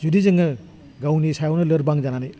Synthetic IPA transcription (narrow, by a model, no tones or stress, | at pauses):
zudizɐŋɯ | ɡawnisajownɐlɐɾbaŋzananaj